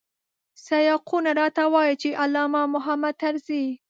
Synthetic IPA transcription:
sajɑqunaɾɑt̪awɑjit͡ʃeʔalːɑmɑmʊɦamad̪̚t̪aɾzi

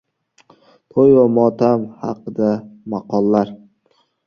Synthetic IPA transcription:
t̪ʰojvamɒt̪ʰamhɑ̰qɨd̪amɑqʰɒlːaɾ

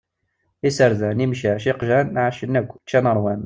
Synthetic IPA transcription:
isəɾðænimʃæʃiqʒænʕaʃənːækʷːt͡ʃːænəɾˤwæn

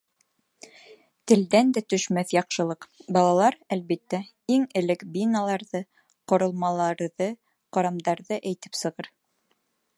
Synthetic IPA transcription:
t̪ɘ̆ld̪ænd̪æt̪ɵ̆ʃmæθjɑqʃɤ̆lˠɤqbɑlˠɑlˠɑɾælβit̪ːæ | iŋɘ̆lɘkbinɑlˠɑɾðɤ | qŏɾɤ̆lˠmɑlˠɑɾðɤ | qoɾɑmd̪ɑɾðɤʔæjt̪ɘ̥psɤ̆ʁɤɾ

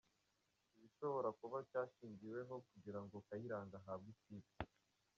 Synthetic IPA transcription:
iβiʃo̞βo̞ɾakuβacaːʃiːɲɟiwe̞ɦo̞kuɟiɾaŋɡokajiɾaːŋɡaɦaβɡisiza

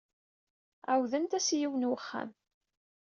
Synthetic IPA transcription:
æwðənt̪æsjiwənwəχːæ̰m

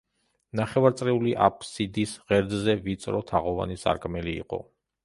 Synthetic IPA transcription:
naχɛvaɾt̪sʼɾɛuliʔa̰pʰsid̪isʁɛɾd̪zɛvit̪sʼɾɔt̪ʰaʁɔva̰nisa̰ɾkʰʼmɛlḭːqʼɔ̰

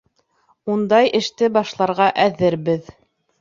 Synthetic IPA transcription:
und̪ɑjʔɘ̆ʃt̪ɘbɑʃlˠɑɾʁɑʔæðɘɾbɘð

